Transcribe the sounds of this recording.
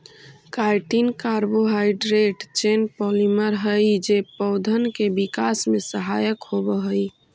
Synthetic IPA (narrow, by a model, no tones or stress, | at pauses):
kajʈinkaɾboɦaɪɖɾeʈt͡ʃenpɔliməɾɦəjd͡ʒepɔʊd̪ʱənkebikasmesəɦajəkhobəɦəj